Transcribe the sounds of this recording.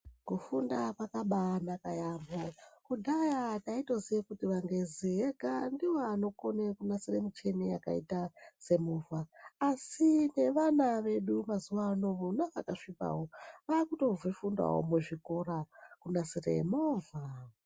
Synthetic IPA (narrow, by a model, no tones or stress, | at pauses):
kufundapakaɓanakajambokudʱajataito̞ziʋekutiʋaŋɡe̞ziɦeɡandiwoano̞konekunasiremut͡ʃe̞neja̰ka̰itase̞muvaːsine̞ʋanaʋe̞ɗumazuʋaːno̞ʋonaʋakaʂipa̰ɦo̞ʋaːkuto̞vifunda̰ɦo̰muʐiko̞ɾakunasirḛmoːva